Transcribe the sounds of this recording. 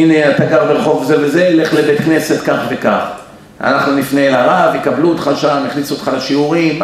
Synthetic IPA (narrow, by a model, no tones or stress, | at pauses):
ineat̪aɡaʁbelχo̞vzevezeile̞χlebe̞t̪kne̞se̞t̪kaχveka̰χ | a̰naχnunifnelaʁavikabluot̪χaʃamiχlisuotχalaʃiuʁim